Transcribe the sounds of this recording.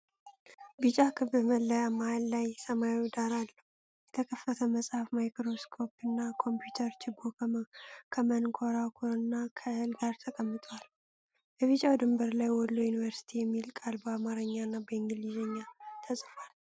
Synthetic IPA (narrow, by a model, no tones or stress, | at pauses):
bɨt͡ʃʼakʰɨβɨməlːəjamaalːajsəmajiwd̪aɾalːəhu | jɛt̪ʰəkʰəfːət̪ʰəməsʼhafmajkɾo̞skʰo̞pɨnːakʰo̞mpjut̪ʰəɾt͡ʃʰɪbo | kʰəmənkʰoɾakʰoɾɨnːakʰəɨlɡaɾt̪ʰəkʼəmːɨt̪ʼwal | bəβit͡ʃʼawd̪ɨmbəɾlajwɔlːojunivəɾsi̥t̪ʰijɛmːilkʼalbəamaɾəɲːanːabəɪŋɡɨlizɛɲːat̪ʰəsʼfal